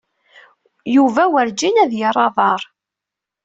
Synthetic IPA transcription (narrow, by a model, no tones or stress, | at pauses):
juvæwəɾd͡ʒinæðjəɾˤɑðˤɑɾˤ